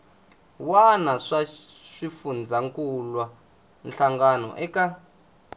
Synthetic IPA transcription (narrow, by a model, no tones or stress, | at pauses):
wanaʂa | ʂifund͡zʱaŋkʼulwa | nɬaŋɡanɔ̰ʔɛkʼa